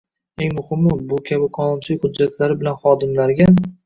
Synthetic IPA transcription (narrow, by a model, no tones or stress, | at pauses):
eŋmʊhɪmːɪbʊkʲʰabɪqʰɒnɒnt͡ʃʰɪlɪkʲhʊd͡ʒːat̪ʰlaɾɪbɪlanχɒd̪ɪmlaɾɡʲa